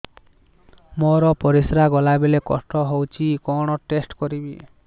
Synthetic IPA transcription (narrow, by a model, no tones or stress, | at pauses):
moɾɔpɔɾisɾaɡɔlabelekɔ̰sʈɔɦowt͡ʃʰikɔɽ̃ɔʈesʈkɔɾibi